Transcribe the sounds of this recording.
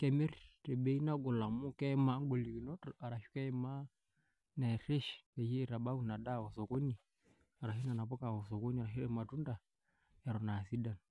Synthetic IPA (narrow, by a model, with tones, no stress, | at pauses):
kɛ˨mi˦ɾte˨be˦i˦na˦ɡo˨la˨mu˦kɛ˦ma˦ŋ˦ɡo˨li˨ki˨nɔ˦ta˨ɾa˨ʃu̥˦kɛ˦ɛ˦ma˦ | nɛ˨ɾi˦ʃpe˨ji˦˨ɾa˨ɓa˦wu˦˨na˨da˦˨wɔ˨sɔ˨ko˦ɲi˨ | a˨ɾa˨i˦na˨na˨po˦ka˨wɔ˨sɔ˨ko˦ɲi˦a˨ɾa˨ɦi˦ɾɛ˦˨ma˨tu˦nda˨ | ɛ˨ɾɔ˨na˨si˦da˨n